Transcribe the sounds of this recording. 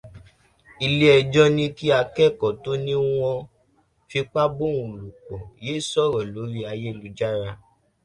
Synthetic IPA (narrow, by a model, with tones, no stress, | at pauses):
i˧le˦ɛ˧d͡ʒɔ˦nĩ˦ki˦a˧kɛ˦˨kɔ˨to˦nĩ˦w̃ɔ̃˧ | fi˧k͡pa˦bo˦˨wũ˨lu˨k͡pɔ˨je˨˦˨sɔ˦˨ɾɔ˨lo˨˦ɾi˧a˧je˦˨lu˨˦d͡ʒa˦ɾa˧